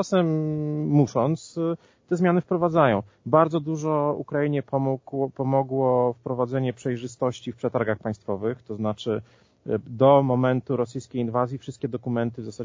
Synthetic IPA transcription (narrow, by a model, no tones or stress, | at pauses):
asɛmː | uʂɔnt̪s | t̪ɛzmʲjanɘfpɾɔvad̪zajɔ̃w̃ | baɾd̪zɔd̪uʐɔṵkɾajiɲɛpɔmuɡɔpɔmɔɡwɔfpɾɔvad̪zɛɲɛpʂɛjʐɘst̪ɔɕt͡ɕifpʂɛt̪aɾɡaxpaj̃st̪fɔvɘxt̪ɔznat͡ʂɘ | d̪ɔmɔmɛnt̪uɾɔsɘjskʲejinvazʲjifʂɘst̪̚kʲɛd̪ɔkumɛnt̪ɘvzasa